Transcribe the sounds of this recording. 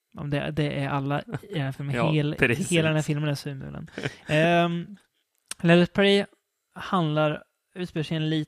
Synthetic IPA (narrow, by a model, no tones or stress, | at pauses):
ʔɔ̰md̪ɛ̰d̪ɛʔæɾalːaɪd̪ɛnhæːfɪlmːlheːlad̪ɛnæɾfɪlmənæsʉːmʉ̰ːlə̰n | lɛləspʰɛɾɪ | hand̪laɾ | ʉ̟ːt̪speːəʂɛɛnliː